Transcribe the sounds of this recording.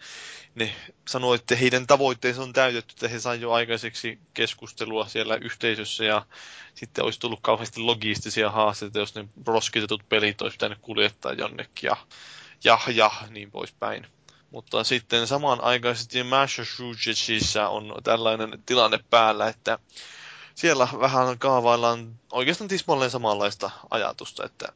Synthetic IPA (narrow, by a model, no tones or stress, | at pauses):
nesɑnoet̪ːæheidænt̪ɑʋoit̪ːeisont̪æyt̪et̪ːy̥ĕ̥t̪ːæhesɑijoɑikɑseksikeskust̪eluɑsielːæʔyht̪eisøsːæjɑsit̪ːḛo̰ist̪ulːukkɑuhest̪iloɡist̪isiɑhɑːst̪et̪ɑjosnerosket̪et̪ut̪̚pelit̪ːˑo̰ispi̥t̪ænykkuljet̪ːɑ̰ːjjo̰nːḛkːijɑ̰jɑhjɑhniːmpo̰ispæ̰in | mut̪ːɑsit̪ːensɑmɑnʔɑ̰ikɑiset̪ːimæʃoʃuːt͡ʃet͡ʃisːæo̰nt̪ælːɑinent̪ilɑnːeppæːlːæet̪ːæ | sielːæʋæhænkɑːʋɑilːˑɑnoikest̪ɑnt̪ismɑlːensɑmɑlːɑist̪ɑɑ̰jɑ̰t̪ust̪ɑ̰ḛt̪ːæ̰